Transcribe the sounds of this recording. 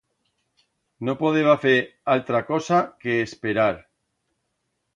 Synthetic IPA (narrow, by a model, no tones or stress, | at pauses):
nopoðeβaθeɾalt̪ɾakosakeːspeɾaɾ